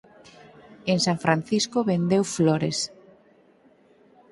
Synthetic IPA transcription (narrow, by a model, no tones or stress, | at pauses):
eŋsãɱfɾan̟θiskoβend̪ewfloɾḛs